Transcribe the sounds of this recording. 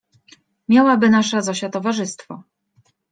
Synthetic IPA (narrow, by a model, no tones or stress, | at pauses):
mʲjawabɘnaʂɛzaɕat̪ɔvaʐɘst̪fɔ̰